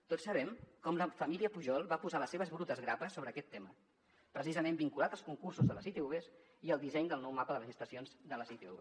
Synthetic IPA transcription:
t̪otsəβɛmkɔmləfəmiliəpuʒɔlˠβapuzaləseβ̞əzβɾut̪əzɣɾapəsːoβɾəːkɛt̪ːemə | pɾəsizəmẽmbiŋkulat̪əlˠskuŋkursuzðələsit̪euβes | iəlˠd̪isɛɲd̪əlˠnɔwmapəðəβəʒəst̪əsionzðələsit̪eṵβe

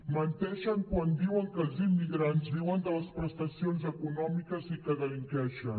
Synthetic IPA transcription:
mənt̪ɛʃəŋkwand̪iwəŋkəlˠzimːiɣɾanzðiwənd̪ələspɾəst̪əsionzəkunɔmikəzikəðəliŋkɛʃən

